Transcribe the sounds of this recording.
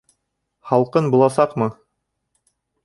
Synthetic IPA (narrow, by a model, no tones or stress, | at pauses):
χɑlˠqɤnbulˠɑsɑqmɤ